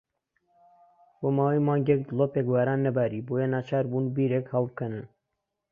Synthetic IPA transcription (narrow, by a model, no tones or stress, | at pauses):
bomaːwiːmɑːŋɡɛk̚d̪ɨlopekwɛːɾaːnːɛbaɾiːbojenaːt͡ʃʰaːɾbuːnbiːɾɛkhɑlb̚kʰɛnɨ